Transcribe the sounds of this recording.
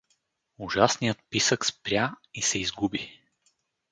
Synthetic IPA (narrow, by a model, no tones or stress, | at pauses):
ʊʒasnijət̪̚pisəkspɾʲjaisɛizɡubi